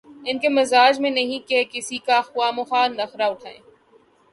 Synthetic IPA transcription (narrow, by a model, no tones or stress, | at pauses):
ɪnkemɐzaːd͡ʒmẽnɐɦĩkekɪsikaxʊaːmʊxaːɾnɐxɾaʊʈʰaːḛ̃ː